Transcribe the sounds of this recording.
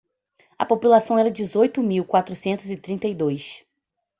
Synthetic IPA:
ɐ̰populasɐ̃w̃ɛɾɐd͡ʒɪzojt̪ʊmiwkwat̪ɾusẽnt̪ʊzɪt̪ɾĩnt̪ɐjd̪ojs

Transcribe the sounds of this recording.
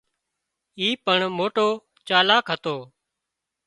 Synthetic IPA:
iːpəɳmoːʈoː | t͡ʃaːlaːkɦət̪oː

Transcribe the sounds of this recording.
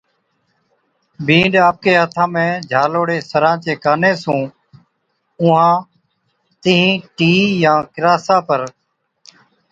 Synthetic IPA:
bʱĩːɳɖaːp̚keːət̪ʰãːmẽːd͡ʒʱaːloːɽeːsəɾãːt͡ʃeːkaːneːsũː | ʊ̃ãː | t̪ɪɦĩːʈiːjãːkɪɾaːsaːpəɾ

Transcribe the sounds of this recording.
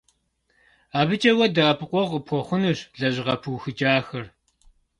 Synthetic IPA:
aːbɨt͡ʃʼɐwɐdɐɐpʰɨqʷʼɔʁəpʰɔχʷʊnɨɕɮɐʑʁɐpʰɨwxɨt͡ʃʼaːxɐr

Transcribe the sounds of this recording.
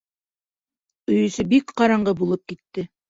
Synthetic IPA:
ɵ̆jɵ̆sɵbikqɑɾɑɴɢɤbulˠɤp̚kit̪ːɘ

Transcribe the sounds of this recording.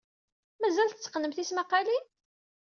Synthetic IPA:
mæzælθət͡sːə̥qnəmθismæqːɑli

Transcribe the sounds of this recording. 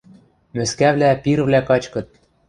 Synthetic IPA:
mɘ̆skæβlæpiɾβlækɑt͡ɕkɤ̆t̪̚

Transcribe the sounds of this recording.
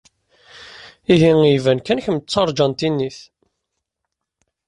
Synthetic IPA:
iɦiŋivænkænçəmt͡sːɑɾˤd͡ʒɑnt̪inːiθ

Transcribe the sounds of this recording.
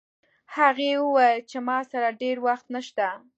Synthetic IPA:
haɣewəwajlt͡ʃemɑsaɾaɖeɾwaxt̪naʃt̪a

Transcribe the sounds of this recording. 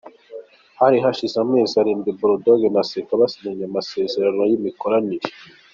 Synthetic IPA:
haɾiɦaʃizamŋeːziaɾiːmbibuɾodoɡenasekaβasiɲaɲamase̞ːze̞ɾanojimiko̞ɾaniɾe

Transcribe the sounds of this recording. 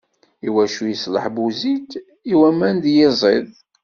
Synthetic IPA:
iwæʃujəslə̰ħbuzit̪ | iwæmænd̪jezˤḛð

